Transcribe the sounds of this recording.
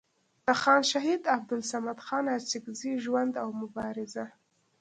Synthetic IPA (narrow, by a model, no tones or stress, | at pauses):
d̪̥əxɑnʃaɦid̪ab̚d̪ʊlsamad̪xɑnasɪkziʒwand̪awmʊbɑɾɪza